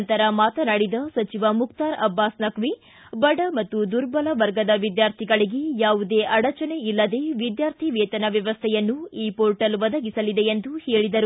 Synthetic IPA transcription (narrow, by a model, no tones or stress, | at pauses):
nt̪ɐɾɐmaːt̪ɐnɐɽid̪ɐsɐt͡ʃiʋɐmukt̪aːɾɐbːaːsnɐkʋi | bɐɖɐmɐt̪ːud̪uɾbɐlɐʋɐɾɡɐd̪ɐʋid̪jaːɾt̪ʰiɡɐɭiɡe̞jaːʋud̪e̞ːʔɐɽɐt͡ʃɐne̞ilːɐd̪e̞ːʋid̪jaːɾt̪ʰiʋeːt̪ɐnɐʋjɐʋɐst̪ʰɛjɐnːuiːpoːɾʈɐlʋɐd̪ɐɡisɐlid̪eend̪uhe̞ːɭid̪ɐɾu